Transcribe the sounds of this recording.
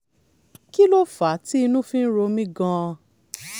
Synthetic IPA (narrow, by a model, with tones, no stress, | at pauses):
ki˦lo˦fa˨˦ti˦i˧nũ˦fĩ˦n̩˦ɾo˧mĩ˦ɡã˦˧